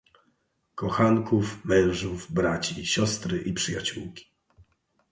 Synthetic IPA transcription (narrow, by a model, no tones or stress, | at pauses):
kɔxaŋkufmɛ̃w̃ʐuvbɾat͡ɕiɕɔst̪ɾɘʔipʂɘja̰t͡ɕuwkʲi̥